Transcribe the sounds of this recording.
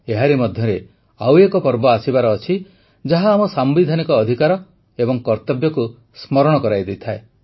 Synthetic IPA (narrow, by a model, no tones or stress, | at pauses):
eɦaɾemɔd̪ʱjɔɾe | a̰wjekɔpɔɾbɔasibaɾɔːt͡ʃʰi | d͡ʒaɦaːmɔsambid̪ʱanikɔːd̪ʱikaɾɔ | ebɔŋkɔɾt̪ɔbjɔku | smɔɾɔɽ̃ɔkɔɾajd̪ejt̪ʰae